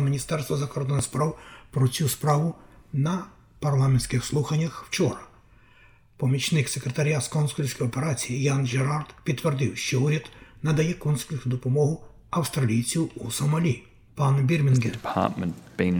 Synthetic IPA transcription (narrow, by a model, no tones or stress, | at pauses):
mʲinʲist̪ɛrst̪ʋɐzɐkɔrd̪ɔnɪspɾɑwpɾɔt͡sʲuspɾɑʋʊnɐ | pɐrlˠɑmenʲsʲkɪxslˠuxɐnʲːɐxwt͡ʃɔɾɐ | pɔmʲit͡ʃnɪksekɾet̪ɐɾʲjaskɔnsʊlʲsʲkɔjɔpeɾɑt͡sʲijijɑnʒeɾɑrd̪pʲid̪t̪ːʋerd̪ɪwʃt͡ʃɔuɾʲɐd̪nɐd̪ɐjɛkɔnslʲiʊd̪ɔpɔmɔɦʊ | ɐwst̪ɾɐlʲijt͡sʲiwusɔmɐlʲi | pɑnbʲirmʲinɡɛpʰɑ̰ˑtmə̃nb̥e